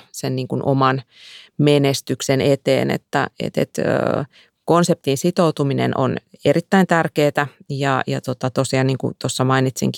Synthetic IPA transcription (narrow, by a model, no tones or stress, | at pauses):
senniːŋkunʔo̰mɑnmenest̪yksenet̪ḛːnḛt̪ːæ̰ḛt̪ḛt̪ø̰ | konsep̚t̪insit̪out̪uminḛnʔo̰nerit̪ːæint̪ærkeːt̪æjɑjɑt̪ot̪ɑt̪osiɑnniːŋkṵt̪osːɑmɑinit̪sḭŋk